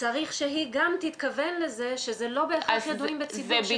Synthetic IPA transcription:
t͡saʁiχʃeɦiɡamt̪it̪kavenlezeʃezelo̞beːχaχjed̪uimbet͡siv

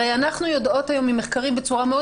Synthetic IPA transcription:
ejanaχnujo̞do̞thajo̞mimːeχkaʁimbe̞t͡suʁameo

